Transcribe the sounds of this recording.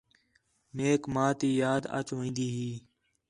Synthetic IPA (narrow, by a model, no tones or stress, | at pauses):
meːkmãːt̪iːjaːd̪a̰ːt͡ʃoːĩːnd̪iːɦiː